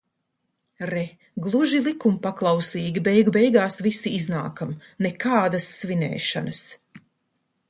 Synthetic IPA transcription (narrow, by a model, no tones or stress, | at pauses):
ɾɛ | ɡlˠuʒilˠikumpaklˠawsiːɡʲibɛjɡubɛjɡaːsvisiizna̰ːkamnɛkaːd̪asːvinɛ̰ːʃa̰nɐs